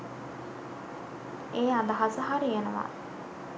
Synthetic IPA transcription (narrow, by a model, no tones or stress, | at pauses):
eːad̪ɐɦasəɦaɾijenəʋa̰